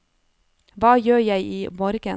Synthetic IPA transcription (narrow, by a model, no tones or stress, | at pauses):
ʋɑːjøːjæɪʔiːmoːɾɡə